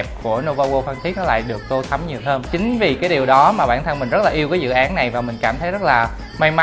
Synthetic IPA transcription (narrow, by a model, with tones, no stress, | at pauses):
p̚ku˧˩əno˧vaː˧ɣo˧fa˧ŋt̪ʰi˦˥k̚nɔ˨˦l̰a̰ː˧˨jɗɨ˨˩ək̚t̪o˧t̪ʰə˨˦mɲi˨˩əwhəː˧mt͡ɕï˨˦ŋ̟vi˨˩kaː˨˦jɗi˨˩əwɗɔ˨˦maː˨˩ɓa̰ː˧˩nt̪ʰə˧nŋmï˨˩ŋ̟zə˦˥t̚laː˨˩ʔi˧əwkaː˨˦zɨ̰˧˨ʔaː˨˦nna˨˩jvaː˨˩mï˨˩ŋ̟kaː˧˩mt̪ʰə˨˦jzə˦˥t̚laː˨˩ | ma˧jma˧